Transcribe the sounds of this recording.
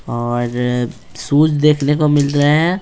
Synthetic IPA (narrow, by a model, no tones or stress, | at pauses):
ɔːɾ | suːd͡ʒd̪eːkʰnekomɪlɾɐɦeɦɛ̃ː